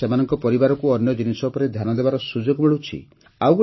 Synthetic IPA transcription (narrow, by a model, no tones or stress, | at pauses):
emanɔŋkɔpɔɾibaɾɔkuɔnjɔd͡ʒinisɔpɔɾed̪ʱjanɔd̪ebaɾɔsud͡ʒɔɡmeɭut͡ʃʰḭ | aw